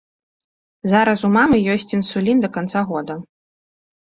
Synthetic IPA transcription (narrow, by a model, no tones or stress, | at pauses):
zaɾɐsumamɨjɔsʲt͡sʲinsulʲind̪ɐkant̪saɣɔd̪ɐ